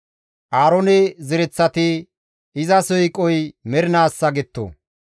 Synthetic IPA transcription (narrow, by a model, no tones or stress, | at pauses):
ʔaːɾɔnɛzɪɾɛt͡sːɐt̪ɪ | ɪzɐsɔjkʼɔjmɛɾɪnaːsːɐɡɛt̪ːo̰